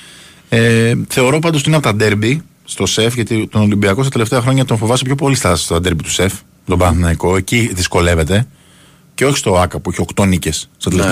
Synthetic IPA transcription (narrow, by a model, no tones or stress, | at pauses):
eθe̞o̞ɾo̞pɐnd̪ot̪inɐpot̪ɐd̪e̞ɾbi | st̪o̞se̞fʝɐt̪it̪o̞no̞limbiɐkost̪ɐt̪ele̞ft̪e̞ɐxɾo̞ɲɐt̪oɱfo̞vɐsepço̞po̞list̪ɐsi̥st̪oɐnd̪eɾbit̪u̥se̞f | met̪o̞bɐnθonɐiko̞e̞ciðisko̞le̞ve̞t̪e̞ | ce̞o̞çi̥st̪o̞ɐkɐpuiçeo̞kt̪o̞nice̞sːt̪ɐt̪ele